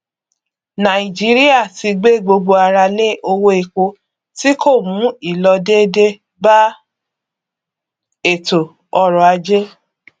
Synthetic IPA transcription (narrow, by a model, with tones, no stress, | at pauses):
nã˨i˨d͡ʒi˨˦ɾi˦a˦˨ti˧ɡ͡be˦˨ɡ͡bo˧ɡ͡bo˧a˧ɾa˧le˦ʔo˧wo˧e˨ko˧ | ti˦kʰo˦˨mũ˨˦i˦˨lɔ˧de˦de˦ | ba˦ | e˦˨to˨ | ɔ˧ɾɔ˨a˧d͡ʒe˦